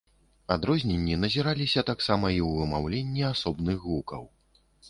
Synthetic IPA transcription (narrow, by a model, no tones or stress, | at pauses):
ad̪ɾɔzʲnʲenʲːin̪ɐzʲiɾalʲisʲɐt̪aksamɐiwvɨmawlʲenʲːiasɔbnɨxɣukɐ̰w